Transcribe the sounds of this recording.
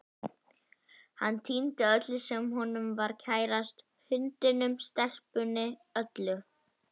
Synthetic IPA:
hanːt̪ʰint̪ɪœt̪lʏsɛmhɔnʏmvaɾ̥cʰaːjɾast̪ | hʏnt̪ɪnʏmst̪ɛl̥pʏnːɪœt̪lʏ

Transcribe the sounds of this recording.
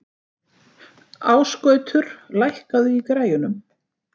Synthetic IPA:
aːwskœːɥt̪ʰʏɾ̥lajhkaðʏikɾaːjʏnʏm

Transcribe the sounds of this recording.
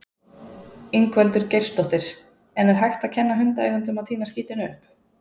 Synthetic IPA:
iŋkvɛlt̪ʏɾcejr̥st̪ɔht̪ɪɾ̥ | ɛnɛɾ̥ɦajxt̪aðcʰɛnːaɦʏnt̪aɛːɣʏnt̪ʏmaðt̪ʰiːnasciːt̪ɪnʏhp

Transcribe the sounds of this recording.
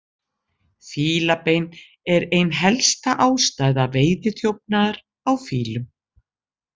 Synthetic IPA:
fiːlapejn | ɛɾejnɦɛlst̪aʔaːwst̪aːjðaveːjðɪθjowp̚naɾ | awfiːlʏm

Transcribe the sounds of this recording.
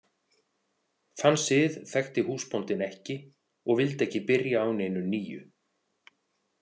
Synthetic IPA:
θansɪðθɛxt̪ɪhuːspɔnt̪ɪnɛhcɪ | ɔɣvɪlt̪ɛhcɪpɪɾjaːwnejnʏniːjʏ̰

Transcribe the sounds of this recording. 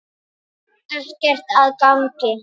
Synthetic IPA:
t̪ḁscɛr̥t̪aðkawŋcɪ

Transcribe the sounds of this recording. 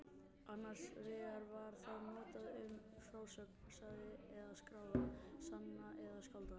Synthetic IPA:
anːar̥svɪːɣaɾvaɾ̥θaðmœːt̪aðʏm | fɾaːwsœkpasaðɪɛðaskɾaːwðasannaʔɛðaskawlt̪a

